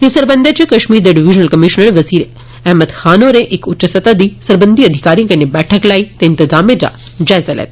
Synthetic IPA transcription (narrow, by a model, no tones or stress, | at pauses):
ɦisəɾbənd̪ʱat͡ʃekɐʃmiːɾd̪ɐɖiʋiʒnəlkəmiʃnəɾʋɐziːɾ | ɛɦməd̪xaːnoɾeʔekʊt͡ʃːəsɐt̪ad̪isəɾbənd̪ʱiɐd̪ʱikaːɾiõkɐnebɛːʈʰəklait̪eɪnt̪ɪzaːmed͡ʒa̰d͡ʒaːjzalḛːt̪